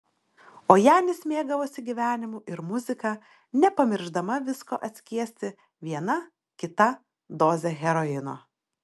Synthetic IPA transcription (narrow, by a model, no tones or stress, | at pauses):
oːjæːnʲɪsʲmʲeːɡɐʋoːsʲɪɡʲiʋʲæːnʲɪmuːʔɪɾmʊzʲɪkɑː | nʲɛpɐmʲɪɾʒd̪ɐmɐʋʲɪskoːʔɐt̪ʲsʲkʲiɛsʲt̪ʲɪ | ʋʲiɛnɐ | kʲɪt̪ɐ | d̪oːzʲɛɣʲɛɾɔɪno̰ː